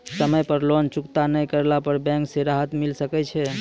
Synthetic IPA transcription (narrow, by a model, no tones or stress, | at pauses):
səməjpəɾlont͡ʃukt̪anəjkəɾlapəɾbɛ̃ŋkseɾaɦət̪milsəkɛt͡ʃʰɛ